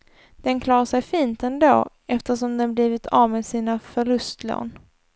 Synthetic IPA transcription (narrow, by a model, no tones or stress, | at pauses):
d̪̥ɛnkʰlɑːɾaʂɛjfiːnt̪ɛnd̪o̰ː | ɛft̪əʂɔmd̪ɛnbliːvɪt̪ʰavmeːd̪siːnafœɭɵst̪lo̰ːn